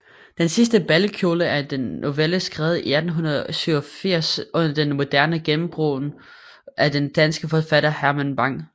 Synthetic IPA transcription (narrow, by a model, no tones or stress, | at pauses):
d̥ensis̬d̥əb̥ælkʰjo̝ːləæɐd̥enːʔo̝ʋeləsɡ̥ʁɛːʊð̩ˠiæd̥n̩ɦunɐð̩ˠɒsyʊɐfiɐ̰sʔɔ̽n̰ɐd̥enmo̝d̥æɐnəɡ̥emm̩b̥ʁo̰ːn | ʔæd̥end̥ænsɡ̥əfɒfæɾ̥ɐhæɐmænb̥ɑ̈ŋ̰